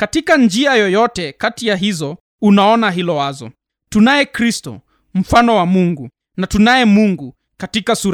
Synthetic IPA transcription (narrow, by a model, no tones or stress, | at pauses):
katikand͡ʒiajɔjɔtɛkatijaɦizɔ | unaɔnaɦilɔwazɔ̰ | tunajɛkɾistɔ̰ | m̩fanɔwamuŋɡu | natunajɛmuŋɡu | katikasuɾ